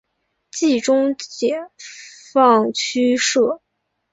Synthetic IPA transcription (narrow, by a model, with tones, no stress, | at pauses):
t͡ɕi˥˩ʈ͡ʂʊ˥ŋt͡ɕjɛ˨˩fɑ˥˩ŋt͡ɕʰy˥ʂɤ˥˩